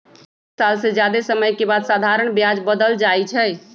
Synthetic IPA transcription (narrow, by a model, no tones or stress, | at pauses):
salsẽd͡ʒjad̪esəməjkebad̪sad̪ʱaɾəɳ̃bjad͡ʒbəd̪əld͡ʒajt͡ʃʰɛ